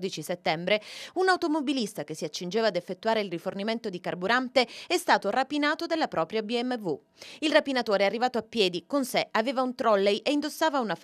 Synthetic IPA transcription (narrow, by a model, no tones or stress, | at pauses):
d̪it͡ʃiset̪ːɛmbɾeunaut̪omobilist̪ak̟esːiat͡ʃːind͡ʒeːvaːd̪efːet̪ːuaːɾeilriforniment̪od̪ikarbuɾant̪eɛst̪aːt̪orapinaːt̪od̪elːapɾɔːpɾjabiɛmːevu | ilrapinat̪oːɾearːivaːt̪oapːjɛːd̪ikonseaveːvaunt̪ɾɔlːejʔeind̪osːaːvaunaf